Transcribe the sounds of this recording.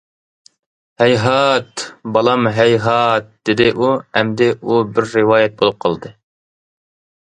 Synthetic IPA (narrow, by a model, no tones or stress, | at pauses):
hɛjɦɑt̪bɑlˠɑmɦɛjɦɑt̪̚d̪̥ɪd̪ɪʔuɛmd̪ɪʔubɪɾːɨwɑːjɛt̪̚bolˠup̚qʰɑlˠɨd̪ɨ